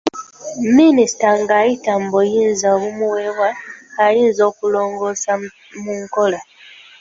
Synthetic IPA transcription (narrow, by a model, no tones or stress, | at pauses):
minisi̥taŋɡajitambojiːnzaɣumuwewwaxaliːnzo̞kuloːŋɡosa | muŋkola